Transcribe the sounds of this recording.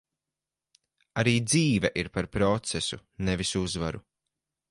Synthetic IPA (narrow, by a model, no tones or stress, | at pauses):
aɾiːd̪ziːvɛʔiɾpaɾpɾɔt̪sɛsṵnevisuzvaɾu